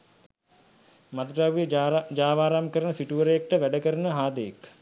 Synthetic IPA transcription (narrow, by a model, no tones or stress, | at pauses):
mad̪ɾaːʋijəd͡ʒaːʋaːɾamkəɾənəsiʈuʋəɾəjek̚ʈəʋæɖəkəɾənəɦaːd̪əjek